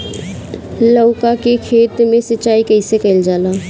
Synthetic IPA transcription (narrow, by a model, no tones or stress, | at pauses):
ləʊkakekʰeːt̪mẽsət͡ʃaːikɛɪsekɛld͡ʒaːlaː